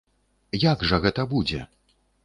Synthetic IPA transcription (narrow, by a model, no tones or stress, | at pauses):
jaɡʐɐɣɛt̪ɐbud͡zʲɛ̰